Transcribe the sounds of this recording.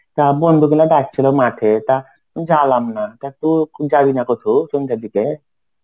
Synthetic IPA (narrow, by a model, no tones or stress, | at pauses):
t̪abɔnd̪ʱukɛlaɖak̚t͡ʃʰilomat̪ʰet̪a | d͡ʒalamnat̪at̪ud͡ʒabinakɔt̪ʰusund̪ad̪ike